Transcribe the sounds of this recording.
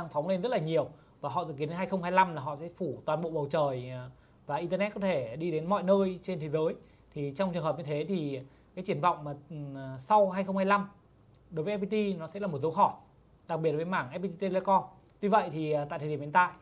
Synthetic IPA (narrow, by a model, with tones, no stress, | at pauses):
aː˧ŋfɔ˨˦ŋ͡mle˧nzə˦˥t̚laː˨˩ɲi˨˩əw | vaː˨˩ɦɔ̰˧˨zɨ̰˧˨ki˨˦ne˨˧nhaː˧jxə˧wŋ͡mhaː˧jla˧mlaː˨˩ɦɔ̰˧˨sɛ̰˧˥fu˧˩t̪waː˨˩nɓo̰˧˨ɓə˨˩wt͡ɕəː˨˩j | vaː˨˩ʔi˧nt̪ə˧nɛ˦˥t̚kɔ˨˦t̪ʰe˧˩ɗi˧ɗe˨˦nmɔ̰˧˨jnəː˧jt͡ɕe˧nt̪ʰe˨˦zəː˨˦j | t̪ʰi˨˩t͡ɕɔ˧wŋ͡mt͡ɕɨ˨˩ŋɦə˨˩p̚ɲɨ˧t̪ʰe˨˦t̪ʰi˨˩ | kaː˨˦jt͡ɕɨ˧˩ənvɔ̰˧˨wŋ͡mmaː˨˩˨sa˧wɦaː˧jxə˧wŋ͡mhaː˧jla˧m | ɗo˨˦jvə˨˦˥p̚i˧t̪i˧nɔ˨˦sɛ̰˧˥la˨˩mo˨˩t̚zə˨˦wxɔ˧˩ | ɗa˨˩k̚ɓi˨˩ət̚vəː˨˦jmaː˧˩ŋʔɛ˦˥pi˧t̪i˧t̪e˧le˧kɔ˧n | vi˧və̰˧˨jt̪ʰi˨˩˨t̪a̰ː˧˨j̪t̪ʰə˨˩i˧˩˨t̪a̰ː˧˨j